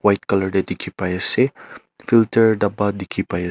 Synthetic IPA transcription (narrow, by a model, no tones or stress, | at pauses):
wajt̪̚kalərded̪ikʰipajase | filtəɹdabadikʰipaj